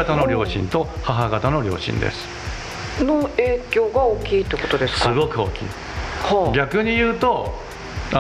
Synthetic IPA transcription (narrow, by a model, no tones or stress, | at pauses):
at̪ano̞ɾʲo̞ːɕḭ̃nt̪o̞haɦaɡat̪ano̞ɾʲo̞̰ːɕḭ̃nd̪e̞̰sɨ̥ | noeːkʲo̞ːɡaoːkʲiːt̪ːekot̪o̞d̪esɨ̥sɨɡo̞kɯ̟o̞̰ːkʲḭː | haɡʲakɯ̟ɲ̟ijɯ̟ːt̪o̞